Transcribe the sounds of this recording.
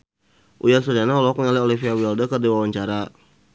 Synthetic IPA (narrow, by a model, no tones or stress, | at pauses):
ʔujasɔdanaɦɔlɔk̚mŋaliɔlifiawiɔldəkərdiwawaɲt͡ʃaɾa